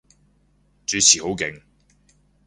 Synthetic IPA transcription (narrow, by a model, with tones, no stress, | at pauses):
t͡syː˨˥t͡sʰiː˨ho˨˥wkɪ˨˥ŋ